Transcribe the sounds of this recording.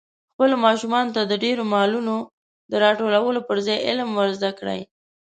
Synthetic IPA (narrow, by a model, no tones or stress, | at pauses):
xpəlomɑʃumɑnot̪ad̪əɖeɾomɑluno | d̪əɾɑʈolawəlopəɾzɑjɪ̰lmwəɾzd̪akɽə̰j